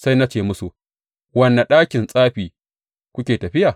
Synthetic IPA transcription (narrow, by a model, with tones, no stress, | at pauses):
sa˦jna˦t͡ʃeː˦˨mʊ˦su˨ | wɐ˦nːa˨ɗaː˦kʲɪ˨nsʼaː˦ɸiː˨ | kʷʊ˦kʲeː˨tɐ˨ɸɪ˦ja˨